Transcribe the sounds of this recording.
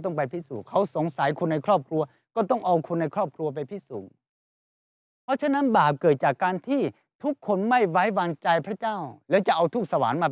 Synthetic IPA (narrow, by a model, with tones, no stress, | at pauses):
t̪ɔ˥˩ŋp̬a˧jp̪ʰiː˥˩suː˨˩kʰa˦˥wso˩˦ŋsa˩˦jkʰu˧nːa˧jkʰɾɔː˥˩p̚kʰɾu˧ɐ | kɔː˥˩t̪ɔ˥˩ŋʔaː˧wkʰu˧nːa˧jkʰɾɔː˥˩p̚kʰɾu˧ɐp̬a˧jt̪ʰiː˥˩suː˨˩˦ŋ | pʰɔ˦˥t͡ɕʰa˥na˦˥nbaː˨˩p̚kɤː˨˩t̪̚t͡ɕaː˨˩kːaː˧nt̪ʰiː˥˩ | t̪ʰu˦˥kʰːo˧nma˥˩jwa˦˥jwaː˧ŋt͡ɕa˧jpʰɾa˦˥t͡ɕaː˥˩wlɛː˦˥˩wt͡ɕa˨˩ʔa˧wt̪ʰu˦˥k̚sa˧wa̰ː˩˦nmaː˧